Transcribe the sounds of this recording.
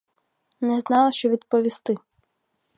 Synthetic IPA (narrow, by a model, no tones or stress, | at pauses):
nɛznɑlˠɐʃt͡ʃɔʋʲid̪pɔʋʲist̪ɪ